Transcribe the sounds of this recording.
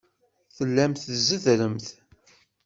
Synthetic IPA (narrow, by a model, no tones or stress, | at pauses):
θəlːæmθəzəðɾəmθ